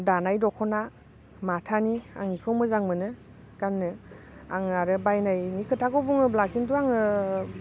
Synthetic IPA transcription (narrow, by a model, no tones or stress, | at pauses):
danajdɔkʰɔna | matʰania̰ŋikʰɯwmɯzaŋmɯnɯ | ɡ̥anːɯ | a̰ŋaɾɯbajnajnikʰɯtʰaɡɔbuŋɯblakintuaŋɯ